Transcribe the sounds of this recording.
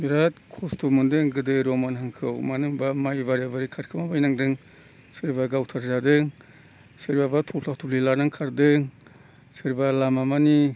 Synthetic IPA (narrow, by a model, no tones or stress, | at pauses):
biɾat̚kʰɔstʰomɯndɯŋɡɯdɯɾɔmanhaŋkʰɯwmanɯŋbamajbaɾabaɾikʰaɾkʰɯmabajnaŋdɯŋ | sɯɾbaɡawtʰaɾzadɯŋ | sɯɾbabatʰɔlatʰulilaɾnaŋkʰaɾdɯŋ | sɯɾbalamamani